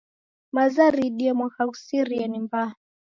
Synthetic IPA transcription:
mazaɾiɗiɛmwakakusiɾiɛnimba

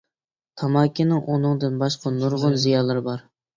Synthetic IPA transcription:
t̪ʰɑmɑːkʲːinɪŋʔunɨŋd̪ɨnbɑʃqɑnuɾʁʊnzijɑːlˠɨɾɨbɑɾ

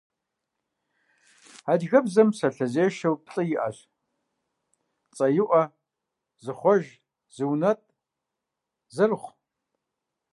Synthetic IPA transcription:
adɣɐbzɐmsɐɬɐzeːʃɐwpʰɬʼɨjɪʔɐ̰ɕ | t͡sʼɐjɪʔʷɐ | zɨχʷɔʒ | zɨwnɐtʼ | zɨrχʷ

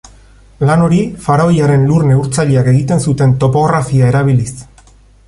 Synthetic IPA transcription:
lano̞ɾifaɾaojaɾe̞nluɾne̞uɾt͡saʎeake̞ɣ̞it̪e̞nsut̪e̞nt̪o̞po̞ɣɾafiae̞ɾaβ̞ilis

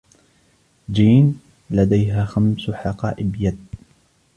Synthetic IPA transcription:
d͡ʒiːn | lad̪ajɦaːxamsħɑqɑ̰ːʔɪbjad̪̚

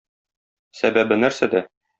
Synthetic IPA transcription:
sæbæbɘnæɾsæd̪æ

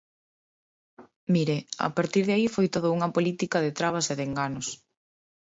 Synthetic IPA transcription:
miɾeɐ̰a̰paɾt̪iɾðeaifojt̪oðʊuŋɐpolit̪ikɐðɪt̪ɾaβ̞ɐseðeŋɡanʊs

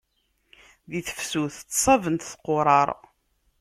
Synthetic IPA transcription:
ðiθə̥fsuθt͡sːsˤɑvənt̪θqoɾˤɑɾˤ

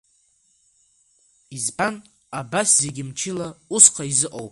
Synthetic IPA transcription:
izban | abaszeɡʲɪmt͡ʃʰɪlausqʰaizɨqʼowpʼ

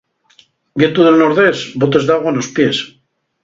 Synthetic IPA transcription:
ɡet̪uðelnoɾðesbot̪̬e̞zðaɣwanospjes

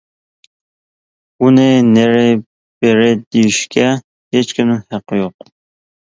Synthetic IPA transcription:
unɪneɾɪ | b̥eɾɪd̪ejiʃkʲɛ | het͡ʃkʲʰimnɪŋhæqʰːɨjoq̚

